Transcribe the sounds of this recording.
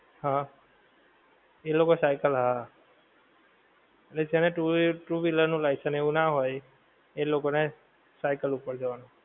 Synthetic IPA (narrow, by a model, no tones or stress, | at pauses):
hã | elokɔsajkəlaɦa | elesʰianɛʈuʈubilənulajsaneunaɦɔj | ejlokɔnɛ | sajkəlupɔɹd͡ʒawanɔ